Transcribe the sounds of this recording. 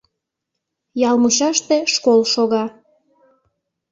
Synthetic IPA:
jɑlmuʃɑʃt̪eʃkolʃoɣɑ

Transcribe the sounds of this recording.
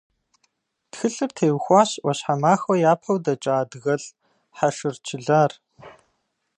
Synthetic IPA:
txɨɬɨrtʰeːwxʷaːɕwɔɕħamaːxɔjaːpʰɐwdɐt͡ʃʼaːdɣɐɮ | ħaʃɨrt͡ʃʰɪɮaːr

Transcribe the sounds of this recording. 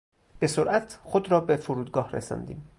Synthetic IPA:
b̥e̞soɾʔæt̪ʰxod̪ɾɒːbefoɾuːd̪ɡɒːhrḛsɒ̰ːnd̪ḭːm

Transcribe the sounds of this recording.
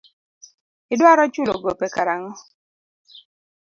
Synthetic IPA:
ɪdwaɾɔt͡ʃʊloɡopɛkaɾaŋɔ

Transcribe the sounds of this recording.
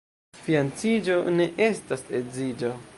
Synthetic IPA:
fiant͡sid͡ʒo̞ne̞ʔe̞stasezid͡ʒo

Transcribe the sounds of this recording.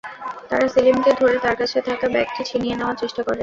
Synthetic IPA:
t̪aɾasilimʈed̪ʱoɾet̪aɾkat͡ɕʰet̪ʰakabɛk̚ʈit͡ɕʰinijeneoat͡ɕiʃʈakoɾen

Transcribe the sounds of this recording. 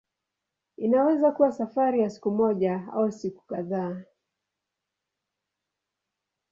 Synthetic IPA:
inawɛzakuwasafaɾijasi̥kumɔʄaa̰usiku̥kaðaː

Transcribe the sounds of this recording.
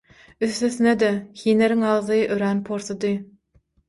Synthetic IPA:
yθːøθyned̪ehiːneɾiŋɑʁðɯʔøɾænpʰoɾθɑd̪ɯ

